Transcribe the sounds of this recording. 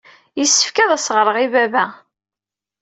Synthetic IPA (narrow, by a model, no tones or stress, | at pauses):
jisːə̥fkæðˤæsʁɾˤəʁivævæ